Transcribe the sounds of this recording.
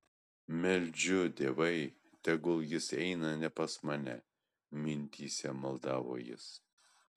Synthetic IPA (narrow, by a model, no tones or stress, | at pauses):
mʲɛlʲd͡ʒʲʊd̪ʲeːʋɐɪ | t̪ʲɛɡʊlˠjɪsɛɪnɐnʲɛpɐsmɑnʲɛ̰ | mʲɪnʲt̪ʲiːsʲɛmɐlˠd̪ɑːʋo̰ːjɪ̰s